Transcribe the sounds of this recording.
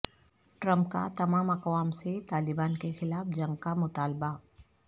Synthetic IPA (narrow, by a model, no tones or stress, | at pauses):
ʈɾɐ̃mp̚ka̰t̪ɐmaːmɐqwaːmset̪aːlɪbaːnkexɪlaːfd͡ʒɐ̃ŋɡ̚kamʊt̪aːlba